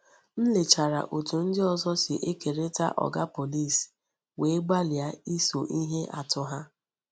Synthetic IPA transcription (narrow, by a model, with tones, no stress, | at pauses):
n̩˦le˨t͡ʃa˨ɾa̰˨ʔo˨tu˨n̩˦dɪ˦ɔ˨zɔ˦sɪ˨ʔe˦ke˨ɾe˦ta̰˦ʔɔ̰˨ɡa˦po˨li˦˨s | we˨˦ɡ͡ba˦lja˦i˦so̰˨ʔi˦ɦe˦ʔa̰˨tʊ˦ɦa˦